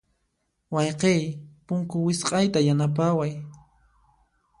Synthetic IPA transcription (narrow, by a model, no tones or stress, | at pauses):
wɑjqejpʊŋkʊwɪsqʼɑjt̪ajanap̬awaj